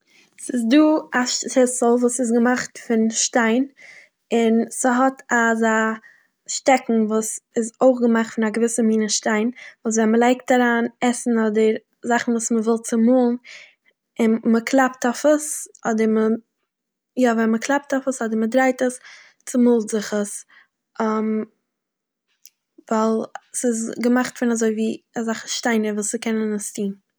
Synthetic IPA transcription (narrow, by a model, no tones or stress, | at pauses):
sɪs̬duːaʃʃɪsl̩ˠvuːsɪs̬ɡəmaχtfɪnʃtaɪn | ɪnsəɦɔtaza | ʃtɛkŋ̩vuːsɪzoɪχɡəmaχtfɪnaɡəvɪsəmiːnəʃtaɪnvuːs̬vɛnməlˠaɪk̚taɾaːnɛsn̩ɔdəɾ | zaχn̩vuːsməvɪlˠt͡sɪmuːlˠn | ɪnməkʰlˠaptafəsɔdəɾmə | javɛnməklˠap̚tafəsɔdəɾmədɾaɪtəs | t͡sɪmuːlˠzɪχəs | am | vaɪlˠsɪsɡəmaχtfɪnazoɪviːazaχəʃtaɪnəɾvuːəkɛnənəstʰiːn